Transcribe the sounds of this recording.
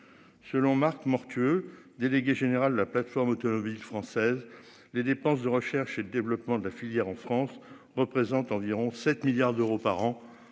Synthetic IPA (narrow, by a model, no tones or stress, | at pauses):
səlɔ̃maʁkmɔʁt̪ʰyø | d̪eleɡʲeʒeneʁald̪əlaplat̪fɔʁmɔt̪ɔmɔbilfχɑ̃sɛz | led̪epɑ̃s̬d̪əʁəʃɛʁʃed̪əd̪evlɔpmɑ̃d̪əlafiljɛʁɑ̃fχɑ̃s | ʁəpχezɑ̃t̪ɑ̃viʁɔ̃sɛt̪miljaʁd̪øʁopaʁɑ̃